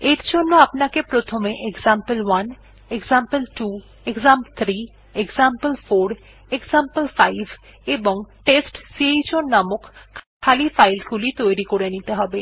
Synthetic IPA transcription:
eɾd͡ʑonːoapnakepɾot̪ʰomeʔekzampəlwan | ekzampəlʈu | ekzampt̪ʰɾi | ekzampəlfoɾ | ekzampəlfajbʱ | eboŋʈesʈsiejt͡ɕonamokːʰkʰːalifajlkulit̪ojɾikoɾenit̪eɦɔbe

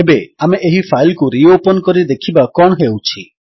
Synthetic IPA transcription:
ebeameʔeɦipʰajlkuɾiopɔnkɔɾid̪ekʰibakɔɳɦewt͡ʃʰi

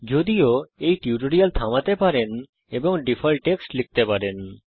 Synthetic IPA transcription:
d͡ʒod̪ioejʈiuʈoɽijalt̪ʰamat̪epaɾen | eboŋɖifʰalʈeksʈlik̚t̪epaɾen

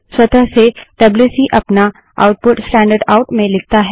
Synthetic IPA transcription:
swɐt̪əɦseɖɐblusiʔɐpna | a̰ʊʈ̚pʊʈsʈɛ̃ːɳɖəɾɖaʊʈmẽlɪk̚t̪aɦɛ

